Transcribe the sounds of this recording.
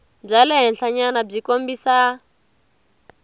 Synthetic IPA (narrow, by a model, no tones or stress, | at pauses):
b͡ʐalɛɦɛnɬaɲanab͡ʐikombisa